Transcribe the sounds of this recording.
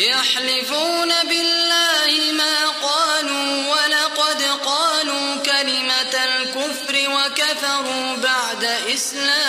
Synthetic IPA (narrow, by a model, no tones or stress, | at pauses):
jaħlɪfuːnabɪlːaːhɪmaːqɑːluːwalɑqɑd̪qɑːluːkalɪmalkʊfɾɪwakaθɑɾˤuːbaʕd̪aʔɪslaː